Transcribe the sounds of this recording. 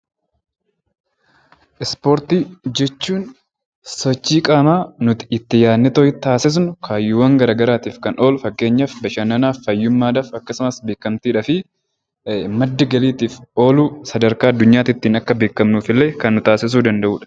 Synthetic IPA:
ʔɪspoɾt̪iːd͡ʒɛt͡ʃːuːn | sɔt͡ʃːiːkʼaːmaːnʊt̪ɪɪt̪ːɪjaːnːɪt̪oːhɪt̪ːaːsɪs̬nʊkʰaːjːuːwɐŋɡɐɾaːɡɐɾaːt̪iːfkɐnʔo̞ːlfɐɡːe̞ːɲːɐfbɐʃɐnɐnaːfːɐjːʊmːaːd̪aːfɐkːɐsʊmɐsbe̞ːkːɐmt̪iːᶑɐfɪ | mɐd̪ːɪɡɐliːt̪iːfʔo̞ːluːsɐd̪ɐɾkaːɐd̪ːʊɲːaːt̪ɪt̪ːiːnɐkːɐbe̞ːkːɐmnuːfɪlːe̞ːkɐnːʊt̪aːsɪs̬uːd̪ɐnd̪ɐʔuːᶑɐ̥

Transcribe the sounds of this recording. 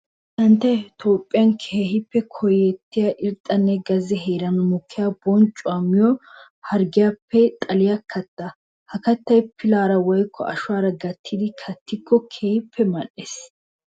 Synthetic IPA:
t̪ɐnt̪ːɐjt̪ʰoːpʼːɪjɐnkʰeːɦɪpːɛkʰɔjɛt̪ːɪjaʔɪɾt̪ʼːɐnːɛɡɐzɛɦeːɾɐnɔmʊkʰːɪjabɔnt͡ʃʼʊaːmːɪjɔ | hɐɾɡɪjapːɛt̪ʼɐlɪjɐkʰːɐt̪ːɐ | hɐkɐt̪ːɐjpʰɪlaːɾɐwɔjkʰːɔ̰ʔɐ̰ʃwaːɾɐɡɐt̪ʰːɪd̪ɪkʰɐt̪ʰːɪkːɔkʰeːhɪpʰːɛmɐʔːeːs

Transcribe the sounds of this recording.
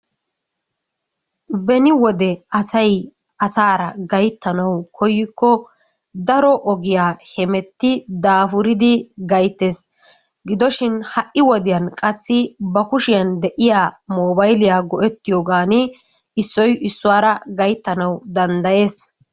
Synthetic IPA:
bɛnɪwɔd̪ɛɐsɐj | ɐsaːɾɐɡɐjt̪ːɐnɐwkʰɔjːɪkːɔ | d̪ɐɾɔʔɔɡɪjaːhɛmɛt̪ːɪd̪aːfʊɾɪd̪ɪɡɐjt̪ːeːs | ɡɪd̪ɔʃɪnhɐʔːɪwɔd̪ɪjɐnkʼɐsːɪbɐkʊʃɪjɐnd̪ɛʔɪjaːmoːbɐjlɪjaːɡɔʔɛt̪ːɪjoːɡaːnɪ | ɪsːɔjɪsːʊwaːɾɐɡɐjt̪ːɐnɐwd̪ɐnd̪ɐje̞ːs

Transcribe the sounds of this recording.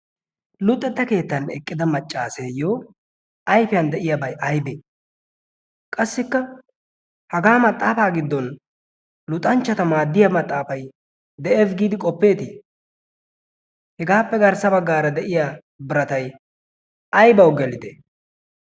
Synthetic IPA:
lʊt̪ʼːɛt̪ːɐke̞ːt̪ːɐnɛkʼːɪd̪ɐmɐt͡ʃʼːaːseːjoː | ɐjfɪjɐnd̪ɛʔɪjɐbɐjʔɐjbe | kʼɐsːɪkːɐ | hɐɡaːmɐt̪ʼːaːfaːɡɪd̪ːɔn | lʊt̪ʼːɐnt͡ʃːɐt̪ɐmaːd̪ːɪjɐmɐt̪ʼːaːfɐj | d̪ɛɛfɡiːd̪ɪkʼɔpːe̞ːt̪i | hɛɡaːpːɛɡɐɾsɐbɐɡːaːɾɐd̪ɛʔɪja | bɪɾɐt̪ɐj | ʔɐjbɐwɡɛlɪd̪ɛ

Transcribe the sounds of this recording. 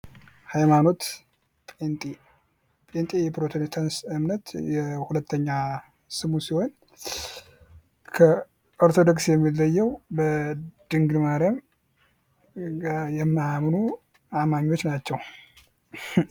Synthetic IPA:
hajmano̞t̪ | pʼent̪ʼi | pʼent̪ʼijɛpɾot̪ʰont̪ʰansɨmnət̪jɛhulət̪ʰːəɲːa | sɨmusiho̞n | kʰə | oɾt̪ʰo̞d̪oksjɛmːilːəjːɛwbəd̪̥ɨŋɡmaɾjam | jɛmːamnu | amaɲːo̞t͡ʃːnat͡ʃːɛw

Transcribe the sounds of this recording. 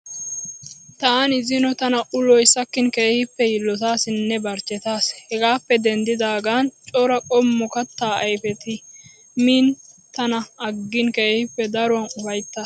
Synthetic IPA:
t̪aːnɪzɪnɔt̪ɐnɐʔʊlɔjsɐkːɪnkeːhɪpːɛjɪlːɔt̪aːsɪnːɛbɐɾt͡ʃːɛt̪aːshɛɡaːpːɛd̪ɛnd̪ɪd̪aːɡaːnt͡ʃʼɔɾɐkʼɔmːɔkɐt̪ːaːɐjfɛt̪ɪ | miːnt̪ɐnɐːɡːɪnkeːhɪpːɛd̪ɐɾʊwɐnʊfɐjt̪ːɐ

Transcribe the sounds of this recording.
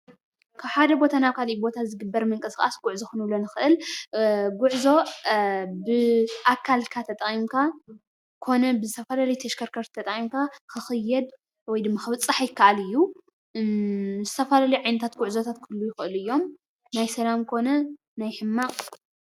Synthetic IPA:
kʰaβħad̪ɐbo̞t̪ʰanaβkʰalibo̞t̪ʰazɨɡɨbːɐɾmɨŋkʼɐsɨxʼa̰sɡuʕzoxɨnɨβlonɨxɨʔɨl | ɡʊʕzo̞ | bɨʔakʰːalkʰat̪ʰɐt̪ʼɐχʼimkʰa | kʰo̞nɐbɨzɨt̪ʰɐfɐlalɐjt̪ʰɐʃkʰɐɾkʰɐɾt̪t̪ʰːɐt̪ʼɐχʼimkʰakɨxɨjːɛd̪ | wɔjd̪ɨmːaxɨβɨt͡sʼːɨħajɪkʰːaʔalɨjːu | zɨt̪ʰɐfɐlaljʕajnɐt̪ʰat̪ɡʊʕzot̪ʰat̪kʰɨlːujɪxʔɨlɨjːo̞m | najsɐlamkʰo̞nɐ | najħɨmːa

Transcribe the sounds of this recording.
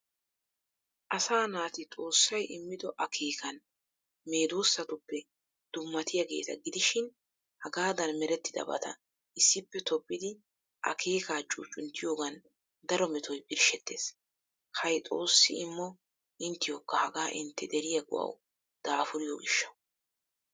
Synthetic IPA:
ʔɐsaːnaːt̪ɪt̪ʼo̞ːsːɐjʔɪmːɪd̪ɔʔɐkʰe̞ːkɐn | me̞ːd̪oːsːɐt̪ʊpːɛ | d̪̥ʊmːɐt̪ɪjɐɡe̞̰ːt̪ɐɡɪd̪ɪʃɪn | hɐɡaːd̪ɐnmɛɾɛt̪ːɪd̪ɐ̰bɐ̰t̪ɐ̰ | ʔɪsːɪpːɛt̪ʰɔpʼːɪd̪ɪ | ʔɐ̰kʰe̞ːkaːt͡ʃʼṵːt͡ʃʼːʊnt̪ːɪjo̞ːɡɐn | d̪ɐɾɔmɛt̪ʰɔjbɪɾʃɛt̪ːe̞ːs | hɐjt̪ʼo̞̰ːsːɪ̰ɪmːɔ | ʔɪnt̪ːɪjoːkːɐhɐɡaːʔɪnt̪ːɛd̪ɛɾɪjɐɡʊ̰wɐ̰w | d̪̥aːfʊɾɪjoːɡɪʃːɐw

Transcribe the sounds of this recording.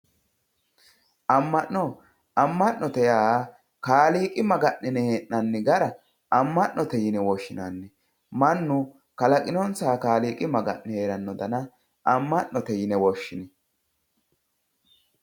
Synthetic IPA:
ʔɐmːɐʔːɔ | ʔɐmːɐnːɔt̪ɛjaː | kaːliːkʼɪmɐɡɐʔːɪnɛheːʔnɐnːɪɡɐɾɐ | ɐmːɐʔnːɔt̪ɛjɪnɛwɔʃːɪnanːɛ | mɐnːʊ | kɐlɐkʼɪnɔnsaːkaːliːkʼɪmɐɡɐ̰ʔnɛheːɾɐnːɔd̪ɐnɐ | ʔɐmːɐʔːɔt̪ɛjɪnɛwɔʃːɪnɪ

